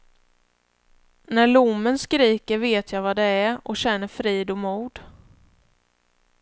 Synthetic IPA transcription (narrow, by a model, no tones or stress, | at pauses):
næɭʊmːənskɾiːkəɾveːt̪ʰjavad̪ɛæɾʔɔɕɛnːəɾfɾiːd̪ɔmuːd̪